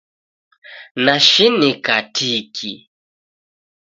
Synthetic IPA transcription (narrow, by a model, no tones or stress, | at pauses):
naʃinikatʰikʰḭ